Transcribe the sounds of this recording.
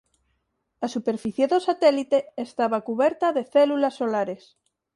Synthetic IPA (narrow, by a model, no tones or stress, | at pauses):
asupeɾfiθjeðosat̪ɛlit̪eːst̪aβakuβɛɾt̪aðeθelulasːolaɾes